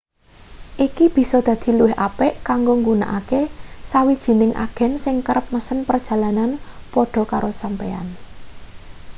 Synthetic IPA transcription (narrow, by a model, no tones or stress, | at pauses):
ʔikib̥i̤sɔd̪̥ä̤d̪̥i̤luwɪɦʔapɛʔkaŋɡoŋɡuna̰ʔakesawid̥ʒ̥i̤nɪŋʔa̰ɡ̥ɛ̤nsɪŋkəɾəp̚məsənpərd̥ʒ̥a̤lananpɔɖ̥ɔ̤kaɾosampea̰n